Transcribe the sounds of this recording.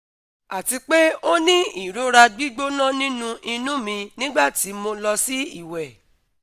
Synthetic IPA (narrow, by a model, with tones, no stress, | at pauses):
a˨ti˧k͡pe˦o˦nĩ˦i˦˨ɾũ˨˦ɾa˧ɡ͡bi˦ɡ͡bo˦nã˦˨nĩ˦nũ˧ʔĩ˧nũ˦mĩ˧nĩ˦ɡ͡ba˦˨ti˨˦mo˧lɔ˧si˦ḭ˦˨wɛ˨